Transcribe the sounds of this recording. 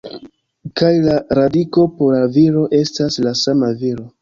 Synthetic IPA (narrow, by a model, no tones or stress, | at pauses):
kajlaɾadiko̞po̞ɾlaviɾo̞ʔe̞staslasamaviɾo̞